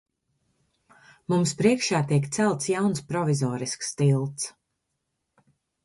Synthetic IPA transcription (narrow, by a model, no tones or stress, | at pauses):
mumspɾiɛkʃaːt̪iɛk̬t̪sælˠt̪sjawnspɾɔvizɔːɾiskst̪ilˠt̪s